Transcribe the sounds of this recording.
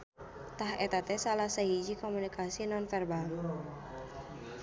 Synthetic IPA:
t̪aɦɛt̪at̪ɛsalahsaɦid͡ʒikomunikʰasinɔnfɛrbaŋ

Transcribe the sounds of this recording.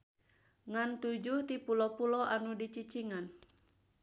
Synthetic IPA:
ŋant̪ud͡ʒuht̪ipulɔpulɔʔanudit͡ʃit͡ʃiŋan

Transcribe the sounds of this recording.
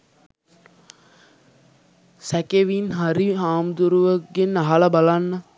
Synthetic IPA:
sækeʋinɦaɾiɦaːmd̪uɾuʋəɡenːaɦaləbalanːə

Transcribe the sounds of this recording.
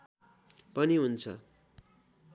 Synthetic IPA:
pʌniɦunt͡sʰʌ̰

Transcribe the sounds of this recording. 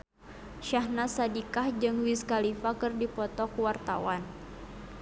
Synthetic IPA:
ʃahnasadikahd͡ʒɨŋwiskalifakɨrdipɔt̪ɔkuwart̪a̰wan

